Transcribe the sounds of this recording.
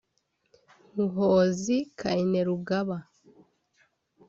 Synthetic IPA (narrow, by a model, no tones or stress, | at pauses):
ŋuɦoːzikʰaineɾuɡaβa